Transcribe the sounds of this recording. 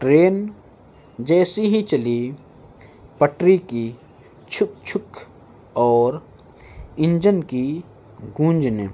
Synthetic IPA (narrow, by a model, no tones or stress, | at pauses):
ʈɾeːn | d͡ʒɛːsiɦĩt͡ʃɐli | pəʈɾiki | t͡ʃʰʊk̚t͡ʃʰʊk | ɔːɾ | ɪ̃nd͡ʒənki | ɡũːnd͡ʒnḛ